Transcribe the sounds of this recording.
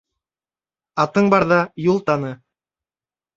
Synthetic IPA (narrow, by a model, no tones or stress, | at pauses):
ɑt̪ɤɴbɑɾðɑjulˠt̪ɑnɤ